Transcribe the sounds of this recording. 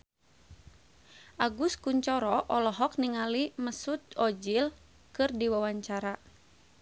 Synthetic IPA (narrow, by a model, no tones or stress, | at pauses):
ʔaɡuskuɲt͡ʃɔɾɔʔɔlɔɦɔk̚niŋaliməsut̪̚ɔd͡ʒil | kɨrdiwawaɲt͡ʃaɾa